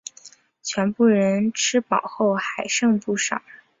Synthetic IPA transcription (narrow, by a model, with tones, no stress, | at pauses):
t͡ɕʰɥɛ˧˥npu˥˩ɻə˧˥nʈ͡ʂʰɻ̩˥pɑ˨˩ʊxo˥˩ʊxa˨˩ɪʂɤ˥˧ŋpu˥˩ʂɑ̰˨˩˦